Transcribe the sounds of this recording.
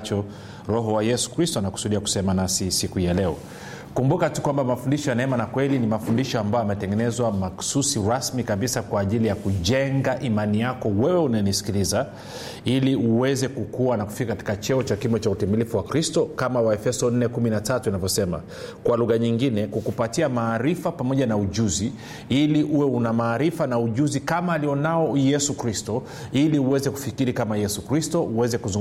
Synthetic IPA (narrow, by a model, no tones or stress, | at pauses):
t͡ʃɔ | ɾɔɦɔwajɛsu̥kɾistɔanaku̥suɗiaku̥sɛmanasisikujalɛɔ | kumbukatukwambamafundiʃɔjanaɛmanakwɛlinimafundiʃɔambaɔamɛtɛŋɡɛnɛzwamaksusiɾasmikaɓisakwaːʄilijakuʄɛŋɡaʔimanijakɔwɛwɛunajnisi̥kiliza | iliuwɛzɛkukuwanaku̥fikakati̥kat͡ʃɛɔt͡ʃakimɔt͡ʃautimilifuwakɾistɔkamawaɛfɛsɔn̩nɛkuminatatuinavjɔsɛma̰ | kwaluɣaɲiŋɡinɛkukupatiamaːɾifapamɔʄanauʄuzi | iliʔuwɛunamaːɾifanauʄuzikamaːliɔnaɔjɛsukɾistɔ | iliuwɛzɛku̥fikiɾikamajɛsukɾistɔʔuwɛzɛkuzuŋ